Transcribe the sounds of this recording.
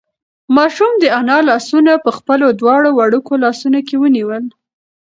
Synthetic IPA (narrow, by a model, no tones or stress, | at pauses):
mɑʃumd̪əanɑlɑsunapəxpəlod̪wɑɽowaɽukolɑsunokewəniwəl